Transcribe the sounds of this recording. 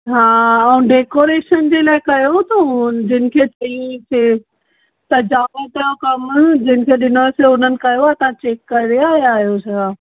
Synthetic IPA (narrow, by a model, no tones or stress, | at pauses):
ɦaːɛ̃ːɖeːkoːɾeːʃənd͡ʑeːlaːɪkɐjot̪ɐd͡ʑɪnɪ̆kʰet̪ɐĩse | t̪ɐd͡ʑaːmət̪õkɐmd͡ʑɪnɪ̆kʰeɗɪnoseʊnənɪ̆kɐjoaːt̪ãt͡ɕeːkːɐɾiɾeaːɦeaːɦijosɐɡa